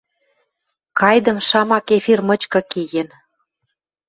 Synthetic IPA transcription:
kɑjd̪ə̆mʃɑmɑkefirmə̆t͡ɕkɤ̆kijen

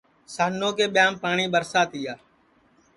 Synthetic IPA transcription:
saːnːoːkeːɓɪjaːmpaːɳiːɓəɾsaːt̪iːaː

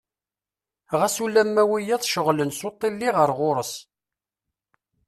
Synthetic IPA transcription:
ʁæsulæmːæwijæðˤʃəʁlənsot̪ˤːilːiʁəɾʁʊɾˤəs

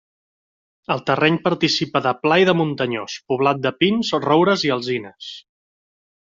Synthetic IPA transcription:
əlˠt̪ərɛɲpəɾt̪isipəðəplajðəmunt̪əɲospuβlat̪̚d̪əpinzrowɾəziəlˠzinəs

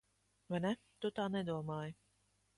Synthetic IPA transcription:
vajnɛ | t̪ut̪aːnɛd̪uɔmaːjə

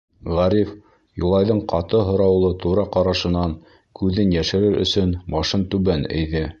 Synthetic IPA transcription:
ʁæɾif | julˠɑjðɤɴqɑt̪ɤɦŏɾɑwlˠɤt̪uɾɑqɑɾɑʃɤ̆nɑŋ | kʉðɘnjæʃɘ̆ɾɘɾʔɵ̰̆sɵnmɑʃɤnt̪ʉβænɘ̰̆jðɘ

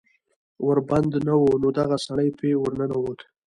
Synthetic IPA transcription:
wəɾband̪nawonod̪aɣasaɽəjpewəɾnanawot̪

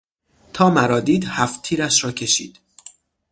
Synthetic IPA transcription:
t̪ʰɒːmæɾɒːd̪iːd̪hæft̪ʰiːɾæʃɾɒːcʰe̞ʃḭːd̪̥

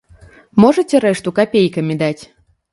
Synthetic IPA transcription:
mɔʐɐtʲɛɾɛʂt̪ukapʲejkɐmʲid̪at͡sʲ

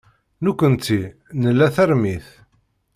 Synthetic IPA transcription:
nukʷːənt̪ːi | nəlːæθæɾmiθ

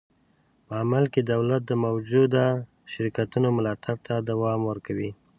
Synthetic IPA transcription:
pəamalked̪awlat̪̚d̪əmawd͡ʒud̪a | ʃɪɾkat̪unomʊlɑt̪ʰaɽt̪ʰad̪awɑmwəɾkawi

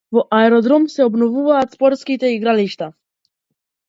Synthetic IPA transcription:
vɔʔaɛɾɔd̪ɾɔmsɛɔbnɔvuvaːt̪spɔɾt̪skit̪ɛiɡɾaliʃt̪a

